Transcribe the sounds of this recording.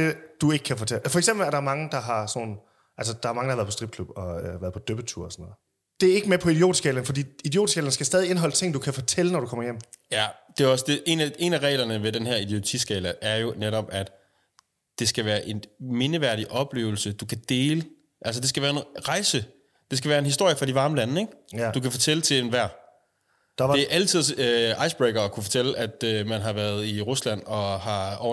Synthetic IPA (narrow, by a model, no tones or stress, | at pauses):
d̥e̝d̥ue̝ɡ̥ə̥kʰæfɒ̽t͡sʰelfɒ̽eɡsemb̥l̩æɐɾ̥ɑ̈ɐmɑ̈ŋəd̥ɑ̈ɦɑ̈so̰ːn̩ | ʔæls̬əd̥ɑ̈æɐmɑ̈ŋdɑhʋæɐðˠpʰɒsd̥ʁib̥̚kʰlub̥ɒ̽øʋæɐð̞ˠpʰɒ̽d̥øb̥ət͡sʰuɐ̰ɒsɔnɔːð̩ˠ | d̥e̝æɐe̝ɡ̥əmepʰɒ̽id̥io̝̰ːd̥sɡ̥ɛːlɐnfɒdḭːid̥io̝̰ːd̥sɡ̥ɛ̰ːlɐn̩sɡ̥æsd̥ɛːð̞ˠie̝nɦɒ̽lət͡sʰe̝ŋ̰d̥ukʰæfɒ̽t͡sʰel̰ənɒɾukʰɒ̽m̰ɐjem̰ | jæd̥e̝æɒ̽sd̥e̝ʔe̝næe̝ːnæʁɛ̰ːlɐnəʋe̝denhæɐid̥iot͡sʰḭsɡ̥ɛ̰ːlæʔæɐjo̝neɾɒ̽b̥æd̥ | d̥e̝sɡ̥æʋæːɐʔe̝nme̝nəʋæɐ̰ɾ̥iʔɒ̽b̥le̝̰ːʊl̩səd̥ukʰæd̥e̝ːlə | ʔæls̬əd̥esɡ̥æʋæːɐenʁɑ̈ɪsə | d̥e̝s̬ɡ̥æʋæːɐe̝nhisd̥o̝ɐ̰jəfʁɑ̈diʋɑ̈ːməlænəeɡ̥d̥ukʰæfɒ̽t͡sʰelət͡sʰe̝enʋæɐ̰ | d̥e̝æʔælt͡sʰið̞̰ˠøɑ̈ɪsb̥ʁeɡ̥ɐɒ̽kʰufɒt͡sʰel̰əʔæd̥ømænɦɑ̈ʋæɐð̞ˠiʁuslæn̰ɒ̽ɦɑ̈ʔɒʊ